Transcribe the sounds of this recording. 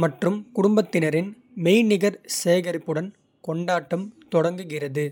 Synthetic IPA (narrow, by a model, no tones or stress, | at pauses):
mɐʈrɯmkʊɽʊmbɐt̪ːɪnɐɾɪn | mɛjnɪɣɐɾseːɣɐɾɪpːɯɽɐn | kɔɳɖaːʈːɯmt̪ɔɽɐŋɡɯɣɪrɐðɯ